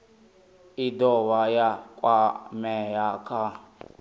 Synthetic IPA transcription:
idɔwajakʼwamɛjakʰa

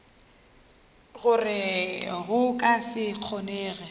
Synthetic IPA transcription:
ɣʊrɪɣʊkʼasɪq͡χʰɔnɛːɣɛ

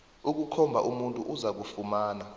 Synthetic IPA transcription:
uk̬ukʰɔmbʱa̰ʔumuntʼuʔuzak̬ufumaːna

